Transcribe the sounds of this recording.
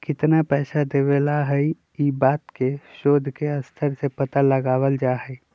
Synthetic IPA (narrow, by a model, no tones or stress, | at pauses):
kɪt̪napɛːʃad̪eːʋelaɦɛi | iːbaːt̪keʃoːd̪ʱkeɐst̪ʰəɾsepɐt̪aləɡaːwəld͡ʒaːɦɛi